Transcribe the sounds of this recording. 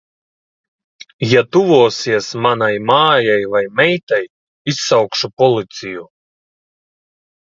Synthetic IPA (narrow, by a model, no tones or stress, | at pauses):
jat̪uvuɔsiɛsmanajmaːjajvajmɛjt̪aj | isːawkʃupɔlˠit̪siju